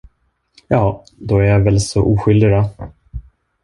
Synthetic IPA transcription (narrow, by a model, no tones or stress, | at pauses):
jɑː | d̪ɔæɾjavɛlsɔʔuːɧʏld̪ɪɾa